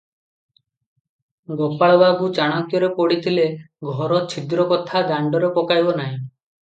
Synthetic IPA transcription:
ɡɔpaɭɔbaɡut͡ʃaɽ̃ɔŋkjɔɾepɔɽit̪ʰile | ɡʱɔɾɔt͡ʃʰid̪ɾɔkɔt̪ʰad̪aɳɖɔɾepɔkajbɔnaɦĩ

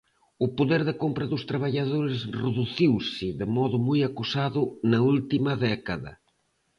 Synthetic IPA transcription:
ʊpʊðeɾðɪkompɾɐðʊst̪ɾaβ̞aʎaðoɾɪsreðuθiwsɪðɪmɔðʊmujakusaðʊnɐult̪imɐðɛkɐðɐ̰

